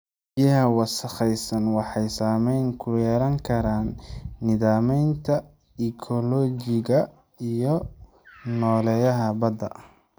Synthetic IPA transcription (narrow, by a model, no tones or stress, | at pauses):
bjɐɦɐwɑsɐχɛjsɐnwɑħɑjsaːmɛjŋkʰʊjɛːɾɐŋkʰɐɾaːnːɪðaːmɛjnt̪ʰɐ | ɪkʰɔlɔːd͡ʒɪɣɐ | ijɔ | nɔːlɛjɐɦɐbɐd̪ɐ̰